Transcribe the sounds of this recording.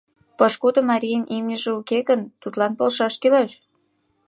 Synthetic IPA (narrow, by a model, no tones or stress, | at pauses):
pɤʃkud̪ŏmɑɾʲijənʲʔimnʲəʒĕukeɣə̆nt̪ut̪lɑnpolʃɑʃkyleʃ